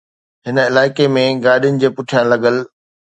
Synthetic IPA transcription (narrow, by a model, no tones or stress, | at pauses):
ɦɪnɪlaːɪkemẽɡaːɗijʊnɪ̆d͡ʑeːpʊʈʰijãlɐɠəl